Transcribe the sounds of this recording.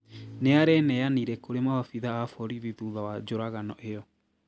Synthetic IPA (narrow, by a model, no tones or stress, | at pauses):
neaɾɛnɛjaniɾɛkoɾemawafiðaafɔɾiðiðuðawad͡ʒoɾaɣanɔʔejɔ